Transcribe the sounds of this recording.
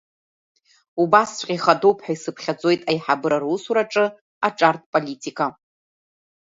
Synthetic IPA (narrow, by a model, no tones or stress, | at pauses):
ubasʷʼqʲʼiχadowpʰħaisɨpʰχʲad͡zʼo̞jtʼajħabɨɾarusuɾaʈ͡ʂʼɨ | aʈ͡ʂʼartʰʼpʼolitʼikʼa